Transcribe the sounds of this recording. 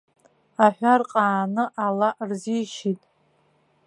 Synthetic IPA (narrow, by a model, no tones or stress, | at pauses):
aħᶣʷarqʼaːnɨʔalaʔrzijʃitʼ